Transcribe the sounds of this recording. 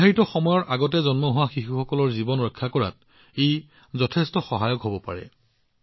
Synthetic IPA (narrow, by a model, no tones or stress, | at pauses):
iaɹitɔxɔmɔjɔɹʔaɡɔtɛzɔnmɔɦʊwaxixuxɔkɔlɔɹzibɔnɹɔkʰːakɔɹa̰t̚ | ej | zɔtʰɛstɔxɔɦajɔkɦobɔpa̰ɹɛ̰